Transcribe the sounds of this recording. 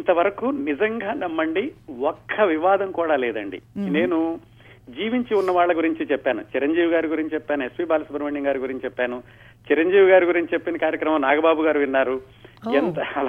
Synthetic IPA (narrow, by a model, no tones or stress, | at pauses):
int̪ɐʋɐɾɐkuːnid͡ʒɐŋɡaːnɐmːɐɳɖiɔkʰːɐʋiʋaːd̪ɐmkuːɽaːlɛːd̪ɐɳɖḭne̞ːnu | d͡ʒiːʋiɲt͡ʃiunːɐʋaːɭːɐɡuɾiɲt͡ʃit͡ʃɛpːaːnut͡ʃiɾɐɲd͡ʒiːʋiɡaːɾiɡuɾiɲt͡ʃt͡ʃɛpːaːnuespiːbaːlɐsɐpɐɾɐmeɳɖiŋɡaːɾuɡuɾiɲt͡ʃt͡ʃɛpːaːnu | t͡ʃiɾɐɲd͡ʒiːʋiɡaːɾiɡuɾiɲt͡ʃit͡ʃepːinɐkaːɾjɐkɾɐmɐ̃mnaːɡɐbaːbuɡaːɾuʋinːaːɾu | ent̪ɐ